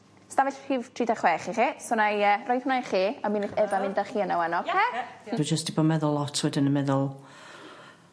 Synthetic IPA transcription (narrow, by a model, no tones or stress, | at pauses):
stavɪɬʰiːvtʰr̥iːdaχwɛχiχisɔnajərɔjð̥hʊnaχiːaminɪθɛvamɪndaχiːənawanɔkʰɛ̥ːid͡ʒəsd̥ibɔmɛðʊlˠːɔtʰwɛdɪnəmɛðʊlˠ